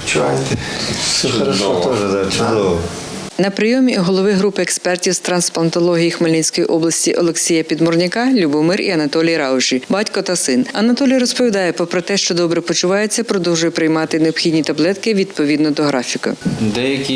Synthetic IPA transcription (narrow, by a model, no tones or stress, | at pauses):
t͡ʃʊʋajt̪ɛ | ɛt̪ɔʒɛd̪at͡ʃʊd̪ɔʋɔ | nɐpɾɪjɔmʲiɦɔlˠɔʋɪɦɾupɪekspɛrtʲiwst̪ɾɐnsplˠɐnt̪ɔlˠɔɦʲijixmɐlʲinʲsʲkɔjiʔɔblˠɐsʲtʲiʔɔ̰lˠeksʲijɐpʲid̪mɔrnʲɪkɑlʲubɔmɪrḭɐnɐt̪ɔlʲijɾɑʊʒibɑtʲkɔt̪ɐsɪnɐnɐt̪ɔlʲijɾɔspɔʋʲid̪ɑjɛpɾɔpɾɔt̪ɛʃt͡ʃɔd̪ɔbɾɛpɔt͡ʃʊʋɑjʊt͡sʲːɐpɾɔd̪ɔwʒʊjʊpɾɪjmɑt̪ɪneɔpxʲidʲnʲit̪ɐblˠɛt̪kɪʋʲid̪pɔʋʲid̪nɔd̪ɔɦɾɑfʲikʊ̰d̪ɛjɐkʲi